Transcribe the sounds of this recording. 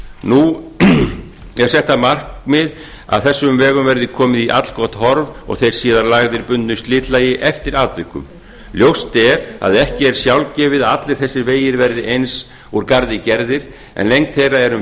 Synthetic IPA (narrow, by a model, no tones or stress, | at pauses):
nu | ɛ̥sɛht̪amar̥kmɪð | a̰ðθɛsːʏmvɛːɣʏmvɛɾðɪkʰɔːmɪðiʔa̰t̪l̥kʰɔht̪hɔɾvɔ̰ɣθejɾ̥siːðaɾlaɣðɪɾpʏnt̪nʏst̪lɪːt̪laːjɪʔɛft̪ɪɾaːt̪vɪkːʏ̰m | ljowst̪ɛɾa̰ðɛhcɪɛɾ̥sjawlcɛːvɪðaat̪lɪɾ̥θɛsːɪɾveːjɪɾvɛɾðɪʔejns | uɾkaɾðɪcɛɾðɪɾ̥ | ɛ̰nlejŋk̚t̪θejraɛɾʏm